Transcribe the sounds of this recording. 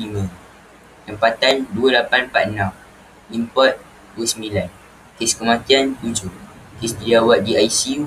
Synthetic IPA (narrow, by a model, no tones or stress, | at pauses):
limə̃ | t̪əmpat̪anduəlapanpaʔ̪̚ənãm | limpɔt̪̚ | duəsəmbilan | kɪskəmãt̪iant̪ud͡ʒʊkisdid͡ʒawaʔ̪̚diajsiu